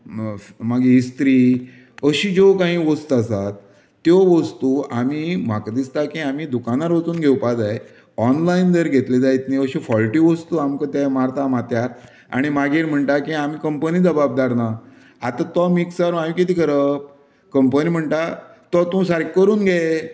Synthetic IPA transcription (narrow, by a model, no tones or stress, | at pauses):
maɡeːst̪ɾiː | əɕiːd͡zokãɦĩːʋəst̪asat̪ː | jɔʋəst̪uamim̤akəd̪ist̪akiamid̪ukanaɾʋət͡suːnɡʱewpad͡zae | ɔnlaind̪əɾɡʱet̪led͡zait̪niəɕifɔlʈiːʋəst̪uamkə̃t̪ɛmaɾt̪amat̪jaɾ | a̰ɽ̃imaɡiɾm̤əɳʈ̪akiamikəmpəniːd̪əbab̚d̪aɾna | at̪at̪ɔmiksaɾãjukit̪iːkəɾəp̚ | kəmpənim̤əɳʈat̪ɔt̪ũsaɾkkːəɾuːnɡʱɛ